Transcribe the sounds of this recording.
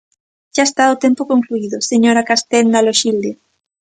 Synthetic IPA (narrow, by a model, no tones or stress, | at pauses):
ʃaest̪aot̪empokoŋkluiðoseɲoɾakast̪ɛnd̪aloʃild̪e